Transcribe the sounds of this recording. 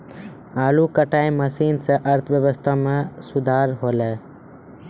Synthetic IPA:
aːlukəʈaːĩməsiːnseʔəɾt̪ʰbjəʋəst̪ʰamẽsʊd̪ʱaːɾɦoːlɛː

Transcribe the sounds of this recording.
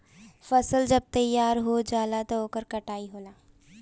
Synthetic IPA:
fɐsəld͡ʒɐb̚t̪ɐjːaːɾɦoːd͡ʒaːlat̪ooːkəɾkɐʈaːiɦoːlaː

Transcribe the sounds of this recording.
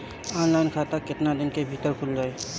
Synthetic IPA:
ɔːnlaɪnkʰat̪akɪt̪nad̪ɪnkebʱit̪əɾkʰʊld͡ʒaːe

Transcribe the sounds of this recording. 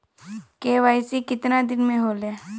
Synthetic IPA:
keːʋaːɪsikɪt̪nad̪ɪnmẽɦoːleː

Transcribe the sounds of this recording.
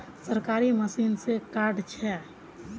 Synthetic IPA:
səɾkaɾiməsinsekaɾɖt͡ʃʰɛ

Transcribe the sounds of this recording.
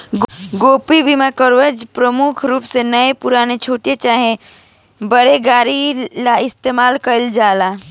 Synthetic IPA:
ɡɡoːpibimakəɾʋəd͡ʒpɾəmʊkʰɾuːpsenəepʊɾaːnet͡ʃʰoːʈet͡ʃaːɦẽ | bəɾeɡaːɾilaɪst̪eːmaːlkəld͡ʒaːlaː

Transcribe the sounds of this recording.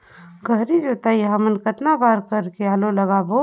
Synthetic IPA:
ɡʱəɦɾid͡ʒot̪aiɦəmənkət̪nabaːɾkəɾkeaːloləɣaːbo

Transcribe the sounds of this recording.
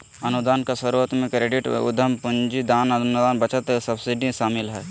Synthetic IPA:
ɐnud̪aːnkasɐɾuːɾət̪mẽkɾeːɖɪʈʊ̰d̪ʱəmpʊɲd͡ʒid̪aːnɐnd̪aːnbɐt͡ʃət̪sɐbsiɖĩʃaːmɪlɦɛː

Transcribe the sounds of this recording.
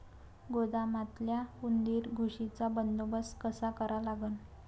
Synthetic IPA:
ɡod̪amat̪ljaund̪iːɾɡʱuʂit͡sabənd̪obəskəsakəɾalaɡən

